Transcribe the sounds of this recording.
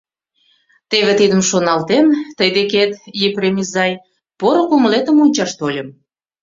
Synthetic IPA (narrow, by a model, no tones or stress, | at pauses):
t̪eβet̪id̪ə̆mʃonɑlt̪emt̪əjd̪eket̪jepremʲizɑj | poɾokuməlet̪ə̆munʲt͡ɕɑʃt̪olʲəm